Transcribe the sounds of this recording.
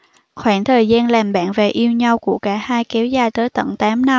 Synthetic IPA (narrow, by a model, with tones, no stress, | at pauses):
xwaː˧˩ŋt̪ʰəː˨˩jzaː˧nlaː˨˩mɓa̰ː˧˨nve˨˩ʔi˧əwɲa˧wku˧˩əkaː˧˩haː˧jkɛ˨˦wzaː˨˧˩jt̪əː˨˦jt̪ə̰˧˩˨nt̪aː˨˦mna˧